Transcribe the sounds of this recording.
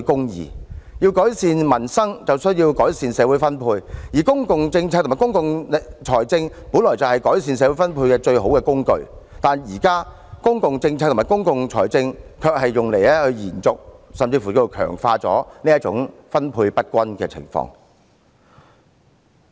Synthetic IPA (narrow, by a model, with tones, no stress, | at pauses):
kʊ˥ŋjḭː˨˩ji˧wkɔː˨˥jsiː˨nmɐ˨˩nsɐ˥ŋt͡sɐ˨wsɵ˥ɥjiː˧wkɔː˨˥jsiː˨nsɛː˨˧wu˨˥jfɐ˥npʰuː˧jjiː˨˩kʊ˥ŋkʊ˨ŋt͡sɪ˧ŋt͡sʰa˧k̪̚ʰmː˨˩kʊ˥ŋkʊ˨ŋ˨t͡ʃʰɔː˨˩jt͡sɪ˧ŋ | puː˨˥nlɔː˨˩jt͡sɐ˨whɐ˨jkɔː˨˥jsiː˨ns̬ɛː˨˧wu˨˦˥fɐ˥npʰuː˧kɛː˧t͡ʃɵ˧ɥɦo˨˥wkɛː˧kʊ˥ŋkɵ̰˧ɥt̪aː˨njiː˨˩kaː˥ | kʊ˥ŋkʊ˨ŋt͡sɪ˧ŋt͡sʰaː˧kt̪ʰːmaː˨˩kʊ˥ŋkʊ˨ŋt͡ʃʰɔ̰ː˨˩jt͡sɪ˧ŋkʰœː˧k̚hɐ˨jːʊ˨ŋle˨˩jlɛː˥hɵ˧jiː˨˩nt͡sʊ˨k̚sɐ˨mt͡siː˧fu˨˩o˥˧jo˨˩wkʰœ̰ː˨˩ŋfaː˧t͡sɔ̰ː˨˥niː˥ɐ˥t͡sʊ̰˨˥ŋfɐ˥npʰuː˧jpɐ˥t̚kʷɐ˥nkɛ̰˧t͡sʰɪ̰˨˩ŋfɔ̰ː˧ŋ